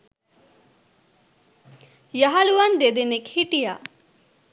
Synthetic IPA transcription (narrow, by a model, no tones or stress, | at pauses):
jaɦaluwand̪ed̪enekhiʈija